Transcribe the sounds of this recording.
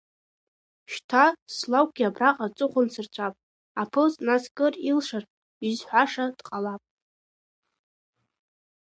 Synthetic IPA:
ʃtʰaslawɡʲiabraqʼat͡sʼɨχʷʊnsɨrt͡ɕʷʰapʼ | apʰɨznaskʼɨrilʂar | izħʷᶣaʂad̥qʼalapʼ

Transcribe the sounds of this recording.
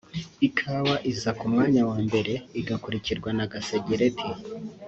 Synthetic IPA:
ikʰaβaʔizakumŋaːɲawaːmbe̞ɾe̞iɡakuɾiciɾɡwanaɡaseɟeɾetʰi

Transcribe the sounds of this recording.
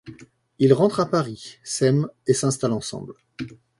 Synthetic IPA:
ilʁɑ̃t̪χapaʁisɛmesɛ̃st̪alɑ̃sɑ̰̃bl

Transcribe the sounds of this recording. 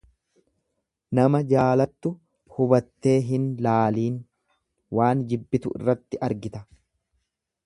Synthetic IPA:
nɐmɐd͡ʒaːlɐt̪ːʊ | hʊbɐt̪ːe̞ːɦɪnlaːliːn | waːnd͡ʒɪbːɪt̪ʊʔɪ̰rːɐt̪ːɪʔɐɾɡɪt̪ɐ

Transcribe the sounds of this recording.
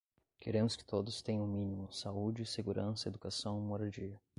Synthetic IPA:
keɾẽmʊskɪ̥t̪od̪ʊst̪ẽj̃ɐ̃w̃mĩnimʊsaud͡ʒɪseɡuɾʔɐ̃sɐed̪ukasɐ̃w̃ũɔɾɐd͡ʒiɐ

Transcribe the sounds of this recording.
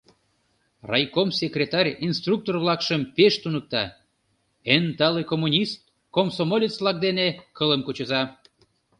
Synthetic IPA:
rɑjkomsʲekrʲet̪ɑrʲinst̪ruk̚t̪orβlɑkʃəmpeʃt̪unək̚t̪ɑ | ent̪ɑlekomːunʲist̪̚ | komsomolʲit͡sβlɑk̚d̪enekələmkut͡ɕəzɑ

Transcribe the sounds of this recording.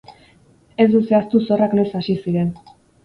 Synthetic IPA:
e̞zd̪use̞ast̪uso̞rakno̞jsasisiɾe̞n

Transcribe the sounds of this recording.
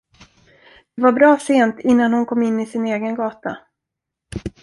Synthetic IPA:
d̪̥ɛvaɾbɾɑːseːnt̪ɪnːanhʊnkʰɔmːɪnːɪsɪneːɡənɡɑːt̪a̰

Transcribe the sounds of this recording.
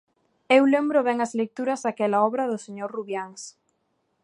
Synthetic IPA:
ewlɛmbɾʊβɛŋɐzlek̚t̪uɾɐzðakɛlaɔβɾɐðʊseɲoɾruβjaŋs

